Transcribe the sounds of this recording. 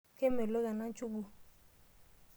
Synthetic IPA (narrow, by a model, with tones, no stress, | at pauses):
ke˦me˨lo˦ɡa˨na˦n˦t͡ʃu˦ɡu˦